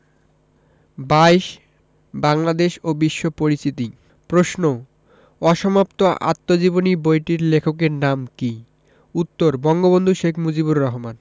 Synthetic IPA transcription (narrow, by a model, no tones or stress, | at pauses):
bajʃ | baŋlad̪eʃobiʃːopoɾist̪it̪i | pɾosno | ɔʃɔmapt̪oʔa̰t̪ːod͡ʑibonibojʈiɾlekʰokeɾnamki | ut̪ːoɾbɔŋɡobond̪ʱuʃekʰmud͡ʑibuɾːɔɦoman